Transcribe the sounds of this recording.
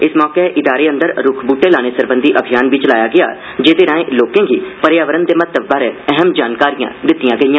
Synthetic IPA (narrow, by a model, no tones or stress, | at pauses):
ɪsmɔːkeʔɪd̪aːɾeːə̃nd̪əɾɾʊkʰbuːʈeːlaːñeːsəɾbənd̪iːʔəbʱɪjaːnʋiːt͡ʃəlaːjaːɡɪja̰ː | d͡ʒeːd̪eːɾãːẽːloːkẽːɡiːpəɾjaːʋəɾənd̪eːmət̪əbbaːɾeːɛɦəmd͡ʒaːnkaːɾijã̰ːd̪ɪt̪ːijãːɡəijãː